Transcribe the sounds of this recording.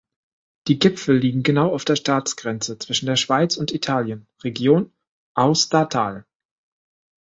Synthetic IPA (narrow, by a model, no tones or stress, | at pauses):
d̥iːɡɪpfl̩liːɡŋ̩ɡənaʊaʊfd̥eːɐʃtaːt͡sɡ̥ʁɛnt͡sət͡sv̥ɪʃn̩deːɐʃv̥aɪt͡sʊntitʰaːljən | ʁeɡjoːn | ʔaʊstaːtʰa̰ːl